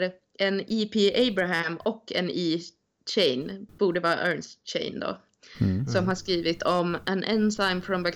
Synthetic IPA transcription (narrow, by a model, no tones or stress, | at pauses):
ɾ | ʔɛniːpʰiːʔeɪbɾaɦæmɔkʰːɛ̰niː | t͡ʃɛɪnb̥uːɖəvɑːɾa̰ʔœːnst͡ʃɛ̰ɪnd̪o̰ː | sɔmhaʂkɾiːvɪt̪ʰɔmʔænʔɛnsaɪmfɾɔmbæk